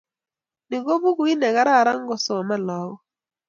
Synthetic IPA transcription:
nɪ˨ɡo˦bu˦ɡu˦i˦nɛ˨ɣa˦ɾa˦˨ɾa˦ŋ˦ɡɔ˨sɔ˨ma˦lɔ˨˦wɔ˦

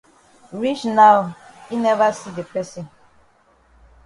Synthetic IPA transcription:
ɾi˦t͡ʃna˦wi˦nɛ˦va˦si˦de˨pɛ˦sĩ˨n

